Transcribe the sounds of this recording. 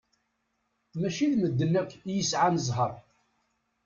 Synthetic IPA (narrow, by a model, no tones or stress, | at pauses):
mæʃiðməd̪ːənækːjəsʕanəzˤɦəɾˤ